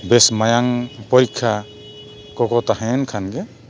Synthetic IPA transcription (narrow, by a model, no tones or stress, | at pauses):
bɛsmajaŋpɔɾikʰːa | kɔkɔt̪aɦɛnkʰanɡɛ